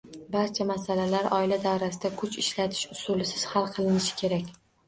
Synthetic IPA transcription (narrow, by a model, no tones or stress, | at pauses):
baɾt͡ʃʰamasalalaɾʔɒɪlad̪awɾasɪd̪akʰʊt͡ʃɪʃlat̪ʰɪ̥ʃʊsulɪsɪz̥halˠqʰɨlˠɪnɪʃɪ̥kʲʰe̞ɾakʲ